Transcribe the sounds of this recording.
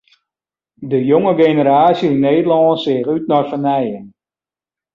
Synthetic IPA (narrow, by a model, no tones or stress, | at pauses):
dəjoŋəɡenəɾaːsjəinːeːdəlɔːnsɪːχyt̚nɔrfənɛjən